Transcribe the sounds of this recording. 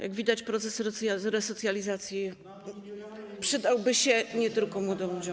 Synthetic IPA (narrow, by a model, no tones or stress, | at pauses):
jʔa̰ɡvʲid̪at͡ɕpɾɔt̪sɛsɔɾɛsɔt̪sʲjalʲizat̪sʲji | pʂɘd̪awbɘɕɛɲɛt̪ɘlkɔmwɔd̪ɔmlud͡ʑɔ̃